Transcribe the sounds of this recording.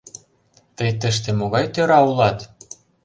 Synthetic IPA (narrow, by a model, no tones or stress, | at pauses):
t̪əjt̪ə̆ʃ̬t̪ĕmoɣɑjt̪øɾɑulɑt̪